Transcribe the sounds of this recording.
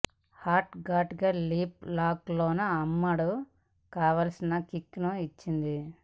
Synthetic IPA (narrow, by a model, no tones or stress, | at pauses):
haːɾʈɡaːʈɡaːliːp̚laːkloːnɐɐmːɐɽu | kaːʋaːlɐsinɐkikːnuit͡ʃːind̪i